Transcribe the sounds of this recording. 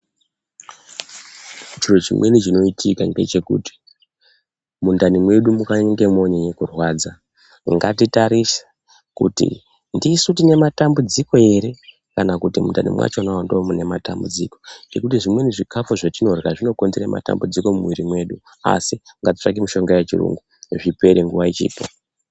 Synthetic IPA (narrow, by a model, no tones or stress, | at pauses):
ut͡ʃirot͡ʃḭmwe̞nit͡ʃino̞itʰikande̞̰t͡ʃe̞kṵti̥ | mundanimwe̞ɗumukaŋɡe̞mo̞ɲeɲekurwaːd͡za | ŋɡatitaɾisḁ | kṵtḭ | ndisutine̞matambud͡ziko̞e̞ɾe̞ | kanakutimundanḭmwa̰t͡ʃonawandomune̞mata̰mbud͡ziko̞ŋɡe̞kutiʐimwe̞niʐikafuʐatino̞rɣaʐino̞konziramʔa̰ta̰mbud͡ziko̞mumwiɾimwe̞ɗu | a̰siŋɡatit͡ʂak̬imuʃo̞ŋɡejet͡ʃirṵŋɡu | ʐipe̞ɾeŋɡuʋait͡ʃḭːpo